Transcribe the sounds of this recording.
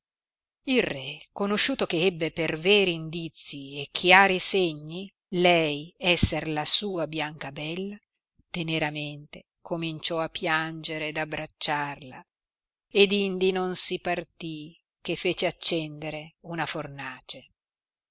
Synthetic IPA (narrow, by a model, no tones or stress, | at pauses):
ilrɛkonoʃːuːt̪okeɛbːepervɛːɾiːnd̪it̪sːiekʰːjaːɾiseɲːi | lɛjɛsːerlasuːabjaŋkabɛlːa | t̪eneɾament̪e | kʰomint͡ʃɔapːjand͡ʒeɾed̪abːɾat͡ʃːarla | ed̪ind̪inonsipart̪i | kefːeːt͡ʃeat͡ʃːɛnd̪eɾeunafornaːt͡ʃe